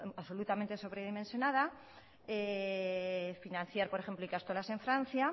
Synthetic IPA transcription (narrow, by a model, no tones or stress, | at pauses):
aβso̞lut̪amẽnt̪e̞so̞βɾeð̞imensjo̞nað̞a | e | finãn̟θjaɾpo̞ɾexe̞mploikast̪olase̞ɱfɾãn̟θja